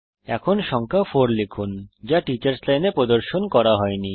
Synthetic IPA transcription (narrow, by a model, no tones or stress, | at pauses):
ɛkʰonʃɔŋkʰafoɾlekʰund͡ʑaʈit͡ɕaɾslajnepɾod̪oɾʃonkɔɾaɦɔeni